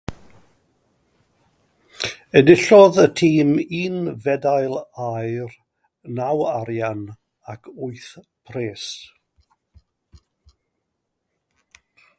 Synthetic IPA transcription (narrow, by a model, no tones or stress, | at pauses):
ədɪɬɔðətʰiːmiːnvɛdajlˠajr | nawaɾjan | akʰʊɨθ | pʰreːs